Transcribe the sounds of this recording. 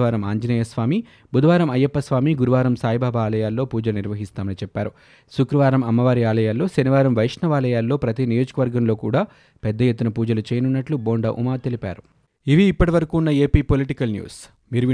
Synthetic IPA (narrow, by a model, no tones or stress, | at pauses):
aːɾɐmaːɲd͡ʒɐnɐjɐsʋaːmi | bʱud̪ɐʋaːɾɐmɐjɐpːɐsʋaːmiɡuɾuʋaːɾɐmsaːjbaːbɐːlɐjaːlːo̞ːpuːd͡ʒɐlniɾʋɐɦist̪aːmɐnit͡ʃɛpːaːɾu | sukɾɐʋaːɾɐmɐmːɐʋaːɾiaːlɐjaːlːo̞ːsɐniʋaːɾɐmʋɐjʂnɐʋaːlɐjaːlːo̞ːpɾɐt̪inijo̞ːd͡ʒɐ̥kɐʋɐɾɡɐmlo̞ːkuːɽaː | pɛd̪ːɐjet̪ːunɐpuːd͡ʒɐlut͡ʃeːjɐnunːɐʈlubo̞ːɳɖɐʔṵmaːt̪elipa̰ːɾu | iʋiːpːɐʈiʋɐɾɐkuːnːɐe̞ːpiːpo̞liʈikɐlnjṵːs | miːɾuʋi